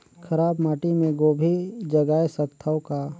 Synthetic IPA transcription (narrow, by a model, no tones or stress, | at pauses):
kʰəɾaːbmaːʈimẽɡoːbʱid͡ʒəɡaːesət̪ʰːawka